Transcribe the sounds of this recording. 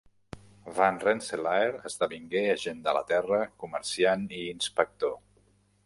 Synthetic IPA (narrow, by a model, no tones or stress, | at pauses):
vanrenselaeɾəzðəβiŋɡeəʒend̪ələ̰t̪ɛrəkuməɾsianiːnspək̚t̪o